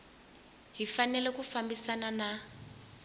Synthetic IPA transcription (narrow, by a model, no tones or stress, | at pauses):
ɦifanɛlɛkufambisanana